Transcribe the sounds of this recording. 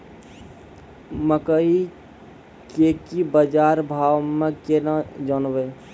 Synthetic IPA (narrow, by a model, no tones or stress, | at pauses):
məkəi | kekibəd͡ʒaɾbʱawmekenad͡ʒənbe